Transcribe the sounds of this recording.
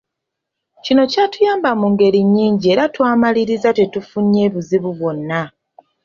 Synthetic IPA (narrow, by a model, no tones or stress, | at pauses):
cino̞catujaːmbamuŋɡe̞ɾiɲːiːɲɟie̞ːɾatwaːmaliɾizate̞tufuɲːe̞ːβuziβuβwo̞nːa